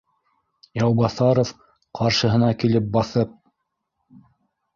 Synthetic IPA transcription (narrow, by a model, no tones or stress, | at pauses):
jɑwbɑθɑɾof | qʰɑɾʃɤ̆ɦɤ̆nɑkilɘp̚bɑθɤp̚